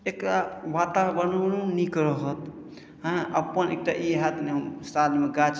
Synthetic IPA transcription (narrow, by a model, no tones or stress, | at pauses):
ekɾabaʈabənənunikɾəɦət̪ | ɦə̃əpənḛk̚ʈaʔiɦat̪neɦəmsalmeɡat͡ʃ